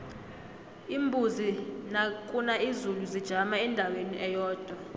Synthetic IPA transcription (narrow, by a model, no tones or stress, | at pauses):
imbʱuzinakʼunaizuluzid̥ʒ̥ʱamaɛndʱaweniʔɛjɔːd̥ʱwa